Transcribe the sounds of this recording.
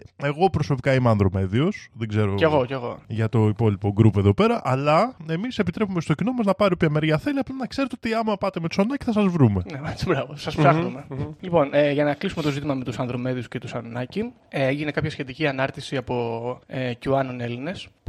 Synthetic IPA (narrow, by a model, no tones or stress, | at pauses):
e̞ɣo̞pɾo̞so̞pikɐimeɐnðɾo̞me̞ðio̞sðeɡze̞ɾo̞eɣo̞ceɣo̞̰ʝɐt̪o̞ipo̞lipo̞ɡɾupe̞ðo̞pe̞ɾɐʔɐlɐe̞mise̞pit̪ɾe̞pumest̪ocino̞mɐznɐpɐɾiopçɐmeɾʝɐθe̞liɐplɐnɐkseɾet̪ot̪iɐmɐpɐt̪emet̪u̥sɐnɐci̥θɐsɐzvɾume̞neet͡sibɾɐvosɐsfsɐxnumelipo̞neʝɐnɐklisume̞t̪o̞zit̪imɐmet̪usɐnðɾo̞me̞ðiuscet̪usɐnnɐci | eeʝine̞kɐpçɐsçe̞t̪iciɐnɐɾt̪isiɐpo̞ecuɐnone̞line̞s